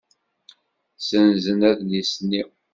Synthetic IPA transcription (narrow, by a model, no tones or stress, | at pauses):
sənzənæðnisni